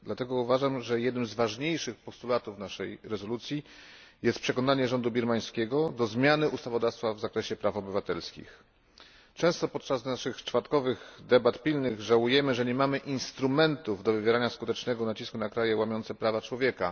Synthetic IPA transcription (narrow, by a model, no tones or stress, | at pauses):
d̪lat̪ɛɡɔuvaʐamʐɛjɛd̪nɘmzvaʐɲejʂɘxpɔst̪ulat̪uvnaʂɛjɾɛzɔlut̪sʲji | jɛst̪pʂɛkɔnaɲɛʐɔnd̪ubʲiɾmaj̃skʲɛɡɔd̪ɔzmʲjanɘʔust̪avɔd̪afst̪favzakɾɛɕɛpɾafɔbɘvat̪ɛlskʲḭx | t͡ʂɛ̃w̃st̪ɔpɔt̪̚t͡ʂaznaʂɘxt͡ʂfat̪kɔvɘɣd̪ɛbat̪pʲilnɘɣʐawujɛmɘʐɛɲɛmamɘʔinst̪ɾumɛnt̪uvd̪ɔvɘvʲjɛɾaɲaskut̪ɛt͡ʂnɛɡɔnat͡ɕiskunakɾajɛwamʲjɔnt̪sɛpɾavat͡ʂwɔvʲjɛka